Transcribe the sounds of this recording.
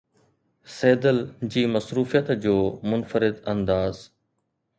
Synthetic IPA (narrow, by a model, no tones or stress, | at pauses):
seːd̪əld͡ʑiːmɐsɾuːfijət̪d͡ʑoːmʊnfəɾɪd̪ɐ̃nd̪aːz